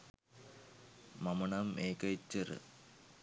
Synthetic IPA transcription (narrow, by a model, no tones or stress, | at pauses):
mɐmɐɳɐmeːkɐt͡ɕːɐrɨ̰